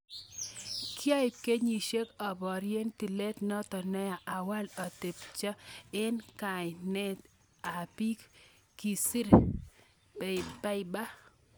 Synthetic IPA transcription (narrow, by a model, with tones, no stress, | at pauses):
kɪ˦a˦ɪ˨ke˦ɲi˨ʃe˦kɔ˨bɔ˨ɾje˦nti˨lɛ˦tnɔ˦tɔ˨nɛ˦ja˨ʔa˨wa˦lɔ˨te˨pt͡ʃɔ˦ɛ˦nka˨ɪ˨nɛ˦t | a˨pi˦k | ki˨si˦ɾ | pa˦ɪ˨ba˦